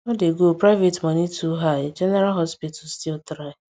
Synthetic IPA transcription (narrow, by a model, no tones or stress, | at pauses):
ɔdeɡopɾaɪvetmɔnitʰuɦaɪd͡ʒɛnɛɾalɦɔspit̩stiltɾaɪ